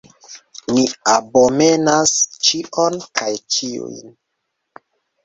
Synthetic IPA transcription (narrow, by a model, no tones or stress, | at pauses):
miabome̞nast͡ʃiʔonkajt͡ʃiṵjn